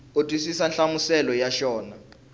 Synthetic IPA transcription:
otʼwisisanɬamusɛlɔjaʃɔːna

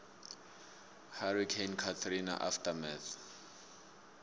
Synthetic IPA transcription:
harikʰenkʰat̪ʰrina̰ʔaftʼamɛθ

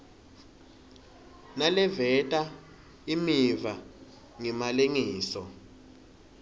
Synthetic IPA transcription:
nalɛvɛtʼa | imiva | ŋɛmaleŋiːsɔ

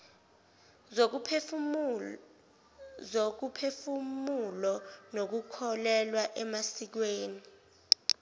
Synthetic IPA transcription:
zok̬upʰefummulɔnok̬ukʰɔlɛlwaʔɛmasik̬weːni

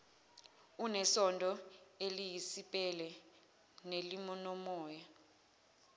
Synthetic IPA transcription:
unɛsɔndʱʼɔelijisipʼɛlɛ | nelimɔnɔmɔːja

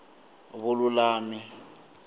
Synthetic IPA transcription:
βʊlʊlaːnɪ

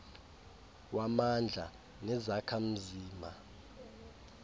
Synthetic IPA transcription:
wamand͡ɮʱa̰ | nɛzakʰam̩ziːma

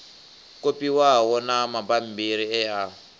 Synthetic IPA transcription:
kopʼiwawɔnamabam̩biɾiɛa

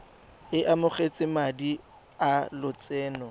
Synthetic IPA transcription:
ɪʔamʊχet͡sʼɪmadi | alʊt͡sʼɛːnɔ

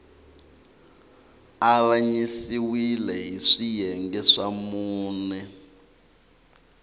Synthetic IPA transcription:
araɲisiwilɛɦiʂijɛŋɡɛʂamuːnɛ

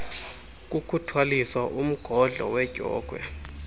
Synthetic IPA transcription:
k̬ʼukʰutʰwaliswaʔum̩ɡ̥ʱɔɮʱɔ̰wɛɡ̥ʱɔ̰ːɡ̥ʱwɛ̰

